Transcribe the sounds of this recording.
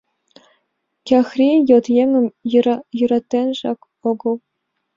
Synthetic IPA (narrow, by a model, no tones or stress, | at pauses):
kʲɑxrʲijɤ̆t̪jeŋʲɘ̆mjyɾɑt̪ʲːenʲʐɑk | ŏɡɤ̆lˠ